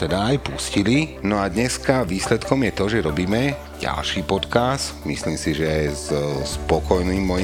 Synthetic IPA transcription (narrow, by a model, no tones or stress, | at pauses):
t̪ɛd̪aːjpuscilinɔad̪ɲɛskaʋiːslɛt̪kɔmjɛt̪ɔʒɛɾɔbiːmɛ | ɟa̰lʃiːpɔt̪kasmḭsliːmsiʒɛzspɔkɔjniːmːɔj